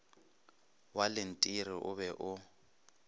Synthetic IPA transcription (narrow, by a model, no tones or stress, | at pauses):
walɪn̩tʼiɾɪʔʊ̰βɛʔʊ